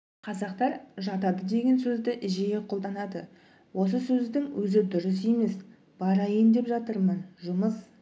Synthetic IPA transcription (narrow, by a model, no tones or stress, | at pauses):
qʰɑzɑqt̪ɑɾʒɑt̪ɑd̪əd̪e̞ɡʲe̞nsɵzd̪ɪʔɪʒejeqʰo̞lˠd̪ɑnɑd̪ə | wʔo̞s̬əsɵzd̪ɪŋwɵzɪd̪ʊɾɪs̬e̞me̞s | b̥ɑɾɑjənd̪e̞pʒɑt̪əɾmənʒʊməs